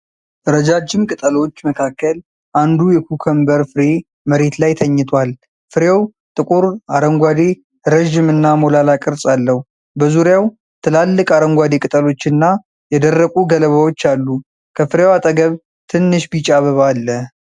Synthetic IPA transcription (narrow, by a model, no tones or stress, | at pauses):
ʔɨɾəd͡ʒad͡ʒːɪmkʼɨt̪ʼəlot͡ʃːməkʰakːəl | ʔand̪ujɛkukʰəmbəɾfɨɾe̞ | məɾe̞t̪lajt̪ʰəɲːɪt̪ʰwal | fɨɾjew | t̪ʼɨkʼuɾaɾəŋɡʷad̪e̞ | ɾəʒɪmɨnːamolalakʼɨɾsʼalːəhu | bəzuɾjaw | t̪ʰɨlalːɨkʼaɾəŋɡʷad̪e̞kʼɨt̪ʼəlo̞t͡ʃːɨnːa | jɛd̪ərːəkʼuɡələβawo̞t͡ʃːalːu | kʰəfɨɾjewat̪ʼəɡəβ | t̪ʰɨnːɨʃbit͡ʃʼaβəβalːə